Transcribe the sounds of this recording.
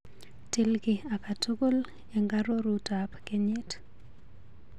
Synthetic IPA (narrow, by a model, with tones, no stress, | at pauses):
ti˦lkɪ˨a˨ka˨tu˦ko˦l | e˨ŋɡa˦ɾo˦ɾutapke˦ɲe˦t